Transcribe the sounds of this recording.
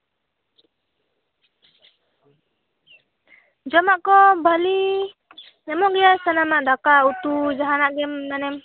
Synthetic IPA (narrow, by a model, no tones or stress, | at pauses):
d͡ʒɔmaʔkɔbʱəli | ɛmɔɡɛjasanamaʔd̪akaut̪ud͡ʒaɦanaʔɡɛmnanɛm